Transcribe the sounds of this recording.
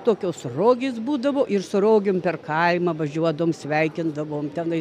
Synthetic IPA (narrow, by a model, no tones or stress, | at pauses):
t̪oːkʲoːsroːɡʲeːsbuːd̪ɐʋoːʔɪrsʊɾoːɡʲoːmpʲɛrkɐɪmɐʋɐʒʲuɔd̪ɐʋoːmsʲʋʲɛɪkʲɪnd̪ɐʋoːmt̪ʲɛnɐɪ